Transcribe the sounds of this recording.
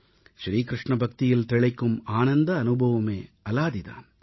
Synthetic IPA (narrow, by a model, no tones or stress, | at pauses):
ʃɾiːkɾɨʂɳɐbʱɐk̚t̪ijɐlt̪ɛɭɐkːumaːnɐnd̪ɐːnubʱɐʋɐmḛːɐlaːd̪id̪ɐ̰